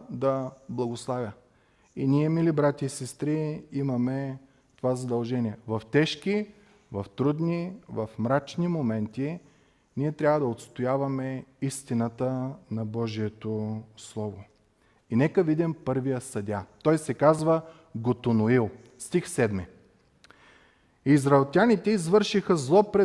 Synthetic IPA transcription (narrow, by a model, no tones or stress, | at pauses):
d̪ɐblˠɐɡoslˠavʲjə | iniɛmilibɾat̪ʲiːsɛst̪ɾiimɐmɛ | t̪ovazɐd̪ɐlˠʒɛniɛvɐft̪ɛʃki | vɐft̪ɾud̪nivɐfmɾat͡ʃnimomɛnt̪i | niɛt̪ɾʲavəd̪ɐot̪st̪ojavɐmɛist̪inət̪ənɐbɔʒiɛt̪oslˠɔvo | inɛkəvid̪impɤɾvijəsɐd̪ʲat̪ɔjsɛkazvə | ɡot̪onoilˠ | st̪ixsɛd̪mi | izɾɐɛlˠt̪ʲanit̪ɛizvɤɾʃixəzlˠɔpɾɛ